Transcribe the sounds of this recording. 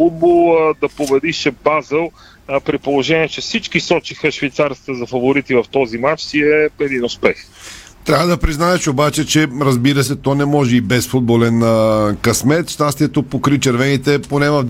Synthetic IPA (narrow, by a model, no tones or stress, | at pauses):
fud̪̚bolˠd̪ɐpobɛd̪iʃɛbazɛlˠ | pɾipolˠoʒɛniɛt͡ʃɛsit͡ʃkisɔt͡ʃixəʃvɛjt̪saɾst̪əzɐfɐvoɾit̪ivɐft̪ɔzimat͡ʃsiɛɛd̪inʊspɛxt̪ɾʲavəd̪ɐpɾiznaɛʃobat͡ʃɛt͡ʃɛɾɐzbiɾəs̬ɛt̪ɔnɛmɔʒɛibɛsfud̪̚bolɛnkɐsmɛt̪ʃt̪ast̪iɛt̪opokɾit͡ʃɛɾvɛnit̪ɛponɛvɐv